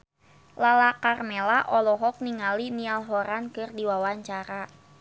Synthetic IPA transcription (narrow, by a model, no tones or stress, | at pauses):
lalakarmelaʔɔlɔɦɔk̚niŋalinialɦɔɾankɨrdiwawaɲt͡ʃaɾa